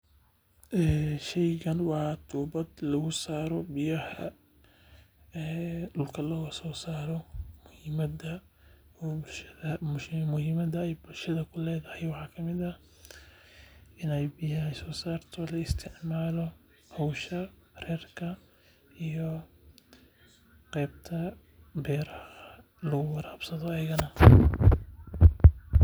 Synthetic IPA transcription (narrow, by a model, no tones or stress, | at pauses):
ʔɛːʃɛjɣɐnwɑːt̪ʰuːbɐd̪lɐɣʊsaːɾɔbɪjɐhɐ̰ | ɛːɖʊlkʰɐlɔːɣɐsɔːsaːɾɔmʊhɪmɐdɐ | bʊʃɐðɐmʊhɪmɐdɐɛjbʊlʃɐðɐkʰʊlɛːðɐhɛjwɑħɑːkʰɐmɪðɐ | ɪnɛjbɪjɐɦɐsɔːsaːrt̪ʰɔlɐɪst̪ʰɪʕmaːlɔ | hɔwʃɐrɛːrkʰɐ | ʔijɔ | qɛːbt̪ʰɐ | bɛːɾɐɐ | lɐɣʊwɐɾaːbsɐðɔɐjɪɣɐnɐ